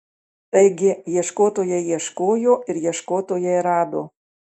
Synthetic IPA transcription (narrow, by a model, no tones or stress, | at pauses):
t̪ɐɪɡʲɪjiɛʃkoːt̪oːjɛjiɛʃkoːjoːɪɾjiɛʃkoːt̪oːjɛjɾɑːd̪oː